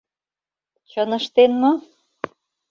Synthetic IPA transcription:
t͡ɕənə̆ʃt̪enmɤ̆

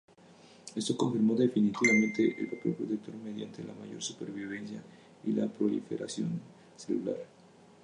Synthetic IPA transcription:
e̞st̪oko̞ɱfiɾmo̞ðefinit̪iβamẽ̞nt̪e̞ʔelpɾapjopɾot̪ek̚t̪ʰo̞ɾmeð̞jant̪ʰe̞la̰maʝo̞̰ɾsupe̞ɾβiβ̞e̞nsja | ilapɾo̞lḭfe̞̰ɾa̰sjo̞n | selula̰ɾ

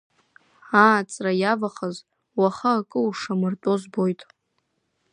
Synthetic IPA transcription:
at͡sʼrajavaχaz | waχaːkʼɨuʂamɨrtʼo̞zbo̞jtʼ

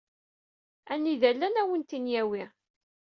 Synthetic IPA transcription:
æniðælːænæwənt̪injæwi

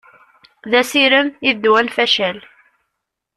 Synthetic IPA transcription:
ðæsiɾəmiðd̪wænfæʃæl

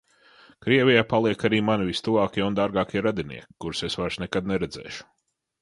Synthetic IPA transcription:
kɾiɛvʲijaːpalˠiɛkaɾiːmanivist̪uvaːkʲiɛund̪aɾɡaːkʲiɛɾad̪inḭɛkʲkːuɾsesvaɾsnɛkad̪̚nɛɾɛd̪zɛ̰ːʃu̥

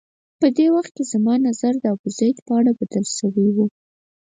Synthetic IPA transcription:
pəd̪ewaxt̪̚kezamɑnazaɾd̪əabʊzajt̪pəaɽabad̪əlʃəwiwu

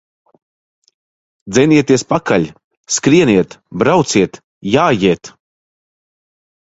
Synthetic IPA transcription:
d̪zʲɛniɛt̪iɛspakaʎʲ | skɾiɛniɛt̪bɾawt̪siɛt̪ | jaːjiɛt̪

